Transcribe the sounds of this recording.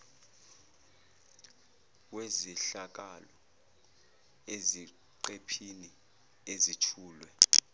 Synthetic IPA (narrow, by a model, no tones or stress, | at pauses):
weziɬak̬alɔ | ezi | ǃepʰini | ezitʰuːlwɛ